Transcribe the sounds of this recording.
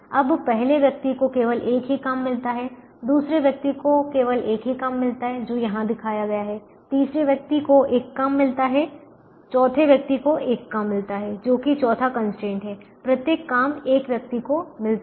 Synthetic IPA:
ɐbpɛɦleʋjɐk̚t̪ikokeːʋəlʔeːkɦikamːɪlt̪aɦɛ | d̪uːsɾeʋjɐk̚t̪ikokeːʋəlʔeːkɦikamːɪlt̪aɦɛd͡ʒoːjɐɦãd̪ɪkʰaːjaɡɐjaɦɛ | t̪iːsɾeʋjɐk̚t̪ikoʔeːkːamːɪlt̪aɦɛ | t͡ʃɔːt̪ʰeʋjɐk̚t̪ikoʔeːkːamːɪlt̪aɦɛd͡ʒoːkit͡ʃɔːt̪ʰakɐnsʈɾẽːɳʈɦɛːpɾɐt̪jeːkːaːmeːkʋjɐk̚t̪ikomɪlt̪

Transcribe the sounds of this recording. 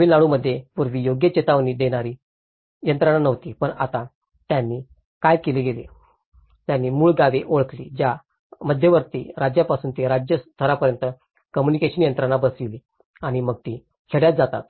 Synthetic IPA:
iːlaɭuməd̪ʱːjepuɾʋiːjoɡjət͡ɕet̪aʋnid̪eɽ̃aɾi | jənt̪ɾañanəʋt̪ipəɳa̰t̪ã | t̪janːi | kajkeliɡelḛ | t̪janːiːmuːɭɡaʋeʔoɭəklḭd͡ʑja | məd̪ʱːjeʋəɾt̪ḭɾad͡ʑjapasuːnt̪iɾad͡ʑjəst̪ʰəɾapəɾjənt̪ə | kəmjunikeɕənjənt̪ɾanabəsʋili | aɽ̃iməɡ̚t̪i | kʰeɽjat̪̚d͡zat̪a̰t̪̚

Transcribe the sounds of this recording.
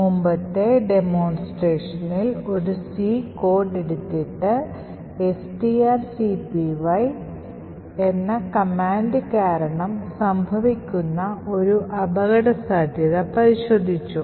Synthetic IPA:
mumbɐt̪ːe̞ɖe̞mo̞ːnsʈreːʂɐnilo̞ɾusiːko̞ːrɖeɽut̪ːiʈːɨ | esʈiaːrsipiʋɐj | enːɐkɐmaːnɖɨkaːɾɐɳɐmsɐmbʱɐʋikʲːunːɐo̞ɾuʔɐbɐɣɐɽɐsaːd̪ʱjɐðɐpɐɾiɕo̞ːd̪ʱːit͡ɕːu

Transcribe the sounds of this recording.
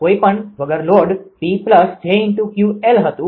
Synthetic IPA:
koipəɳʋəɡəɾloɖbipləsd͡ʒʱeɪnt̪ũkjuelɦət̪ũ

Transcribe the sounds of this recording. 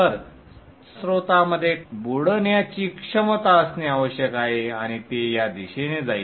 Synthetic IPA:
əɾ | sɾot̪aməd̪ʱːjebuɽənjat͡ɕiːkʂəmət̪aəsneaʋəɕjəkaɦeaɽ̃it̪ejad̪iɕened͡zai

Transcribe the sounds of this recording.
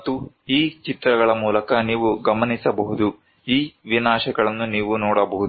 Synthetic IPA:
t̪ːu | iːt͡ʃit̪ɾɐɡɐɭɐmuːlɐkɐniːʋuɡɐmɐnisɐbɐɦud̪u | iːʋinaːʃɐɡɐɭɐnːuniːʋunɔːɽɐbɔɦud̪

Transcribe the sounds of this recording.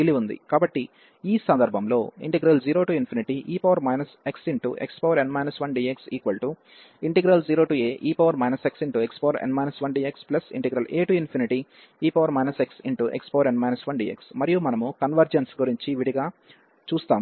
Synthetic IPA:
t̪iliʋund̪ḭkaːbɐʈːi | iːsɐnd̪ɐɾbʱɐmlo̞ːḭɳʈɛɡɾɐld͡ʒiːɾo̞ːʈuːinpʰiniʈiʔiːpɐʋɐɾmɐjnɐseksiɳʈṵʔḛkspoːʋɐɾeɳɖmɐjnɐsʋɐnɖiːeksḭːkʋɐlʈu | iɳʈɛɡɾɐld͡ʒiːɾo̞ːʈuːeːʔiːpɐʋɐɾmɐjnɐseksiɳʈuekspoːɐɾḛɳɖmɐjnɐsʋɐnɖiːeksplɐsḭɳʈɛɡɾɐlʔeːʈuinpʰiniʈi | iːpɐʋɐɾmɐjnɐseksiɳʈuʔḛkspoːʋɐɾeɳɖmɐjnɐsʋɐnɖḭːḛksmɐɾijumɐnɐmukɐnʋɐɾd͡ʒensɡuɾiɲt͡ʃiʋiɽiɡaː | t͡ʃuːst̪aːm

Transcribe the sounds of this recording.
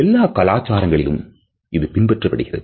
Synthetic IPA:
ɛlːaːkɐlaːt͡ʃːaːɾɐŋɡɐɭɪlɯ̰m | ɪðɯpɪnbɛʈrɐpːɐɽɯɣɪrɐ̰ð

